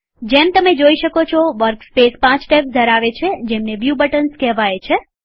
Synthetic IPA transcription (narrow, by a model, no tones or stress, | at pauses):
d͡ʒemt̪əmed͡ʒoiʃəkot͡ʃʰoʋəɾkspespãt͡ʃʈepd̪ʱəɾaʋet͡ʃʰed͡ʒemneʋjubəʈənskɛɦʋajet͡ʃʰe